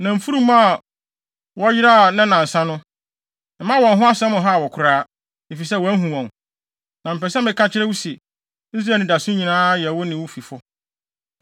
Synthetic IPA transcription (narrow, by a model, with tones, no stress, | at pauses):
nã˨m̩˨fu˦ɾũ˦m˦a˦˨ | wɔ˦jɪ˦ɾa˦˨nã˦nã˨n̩˨sã˦nʊ̃˦˨ | mã˦wɔ̃˨nɦʊ̃˦a˦sɛ̃˦mʊ̃˨ɦa˦˨wɔ˨kʰʊ˨ɾaː˦ | e˨fi˨s̬ɛ˦˨wɔ˨æ˦ɦũ˨wɔ̃˨n | nã˨m̩˨pɛ˨sɛ˦mɪ̃˨kʰã˦t͡ɕʰɪ˦ɾɛ˦wu˦si˨ | i˦s̬ɾaː˨˦˨nɪ̃˨da˨sʊ̃˦ɲĩ˨nãː˦jɛ˨wʊ˦nɪ̃˨wʊ˦fi˨fɔ˦